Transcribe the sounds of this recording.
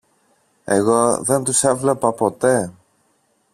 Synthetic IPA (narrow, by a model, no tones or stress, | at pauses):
e̞ɣo̞ðe̞nt̪usevlepɐpo̞t̪e̞